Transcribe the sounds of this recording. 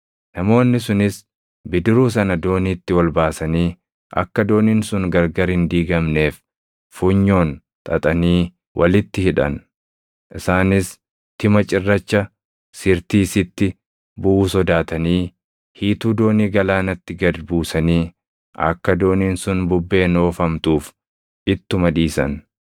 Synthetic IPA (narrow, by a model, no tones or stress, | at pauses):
nɐmo̞ːnːɪs̬ʊnɪs | bɪd̪ɪɾuːs̬ɐnɐd̪o̞ːniːt̪ːɪwɐlbaːsɐniː | ʔɐ̰kːɐd̪o̞ːniːnsʊŋɡɐɾɡɐɾhɪnd̪iːɡɐmne̞ːf | fuɲːo̞ːn | t̪ʼɐt̪ʼɐniː | wʔɐlɪt̪ːɪhɪᶑɐ̰n | ʔɪsaːnɪs | t̪ɪmɐt͡ʃʼɪrːɐt͡ʃːɐ | sɪɾt̪iːsɪt̪ːɪ | bʊʔuːsɔd̪aːt̪ɐniː | hiːt̪uːd̪o̞ːniːɡɐlaːnɐt̪ːɪɡɐd̪buːsɐniː | ʔɐ̰kːɐd̪o̞ːniːnsʊnbʊbːe̞ːno̞ːfɐmt̪uːf | ɪt̪ːʊmɐᶑiːsɐ̰n